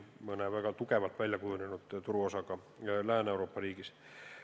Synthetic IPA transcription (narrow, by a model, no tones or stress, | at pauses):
monæːʋækɑt̪ukeʋɑlt̪ʋælʲjækujunenut̪t̪uruosɑkɑ | læːneuroːpːɑriːkis